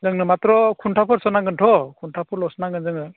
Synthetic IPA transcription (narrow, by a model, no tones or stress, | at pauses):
zɯŋnɯmat̪ɾɔkʰuntʰapʰɔɾsɔnaɡɯntʰɔkʰuntʰapʰɔɾlɔsɔnaɡɯnzɯŋɯ